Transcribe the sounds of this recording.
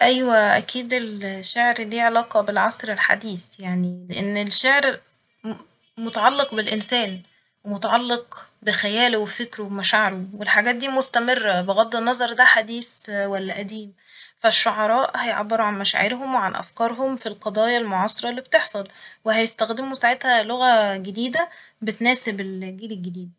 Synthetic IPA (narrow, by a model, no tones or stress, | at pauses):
ʔæjwæʔæ̰kiːd̪elʃːaʕɾliːʕelɑːqɑbelʕɑsˤɾelħa̰d̪iːsjaʕnileʔenːelʃaʕɾ | mot̪ɑʕɑlːeqbelʔensæːn | wemot̪ɑʕɑlːeqbexæjæːlwefekɾwemæʃaʕɑɾowelħaɡæːt̪̚d̪iːmost̪æmerːæbeɣɑd̪ˤːenːɑzˤɑɾˤd̪æħad̪iːswælːæʔæd̪iːm | fæʃːoʕɑɾˤɑːʔhæjoʕbːeɾuʕanmæʃæ̰ʕeɾɦomweʕanʔæ̰fkɑːɾˤɦomfilqɑd̪ˤɑːjɑlmoʕɑsˤeɾˤɑlːiːbt̪eħsˤɑlwehæjest̪æxd̪emusaʕet̪hæloɣæɡed̪iːd̪æ | bet̪næːsebelɡiːlelɡed̪iːd̪̚